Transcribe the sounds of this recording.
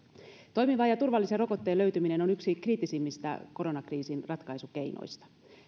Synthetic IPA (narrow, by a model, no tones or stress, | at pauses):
t̪o̞jmiʋɑːjɑt̪urʋɑlːisero̞ko̞t̪ːe̞ːlø̞ɥt̪ymine̞no̞nyksikriːt̪ːisimːist̪æ̰ko̞ɾo̞nɑkriːsinrɑt̪kɑjsuke̞jno̰jst̪ɑ̥